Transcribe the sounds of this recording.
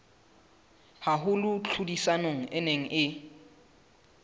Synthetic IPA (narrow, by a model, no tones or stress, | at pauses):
haɦʊlʊt͡ɬʰudisanoŋ̩ʔɪneŋ̩ʔɪ